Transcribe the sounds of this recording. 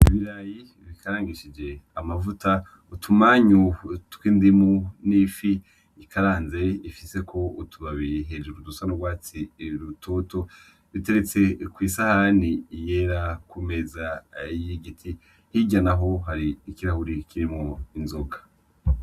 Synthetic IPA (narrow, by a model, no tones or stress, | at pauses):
iβiɾaji | βikʰaɾaːŋɡiʃid͡ʒe̞amavuta | utʰumaɲutwiːndimunifi | ikʰaɾaːnze̞ifise̞kʰo̞utʰuβaβijɦe̞d͡ʒuɾudusanobɡwaːt͡siɾutʰo̞to̞ | βite̞ɾet͡se̞kwiːsahanijeɾakume̞zaijiɡitʰi | hiɟanaɦo̞ɦaɾiːkiɾahuɾikiɾimŋoinzo̞ɡḁ